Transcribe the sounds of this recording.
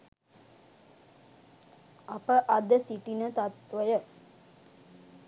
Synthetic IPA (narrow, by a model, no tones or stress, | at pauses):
apəʔad̪əsiʈinət̪at̪ʋəjə